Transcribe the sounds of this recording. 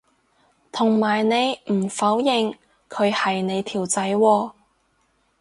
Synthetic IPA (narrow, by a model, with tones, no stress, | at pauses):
t̪ʰʊ˨˩ŋmaː˨˩jne˨˧jm̩˨˩fɐ˨˥wjɪ˨ŋ | kʰɵ˨˧ɥhɐ˨jne˨˧jt̪ʰiː˨˩wt͡sɐ˨˥jwɔː˧